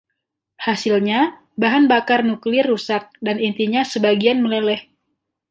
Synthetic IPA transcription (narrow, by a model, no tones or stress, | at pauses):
hasilɲa | baɦanbakarnuklɪrːusat̪̚danint̪iɲasəbaɡianməlelɛh